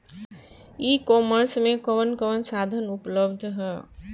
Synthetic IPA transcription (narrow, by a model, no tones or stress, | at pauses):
ikɔməɾsmekəʋənkəʋənsad̪ʱənupləbd̪ʱɦɛː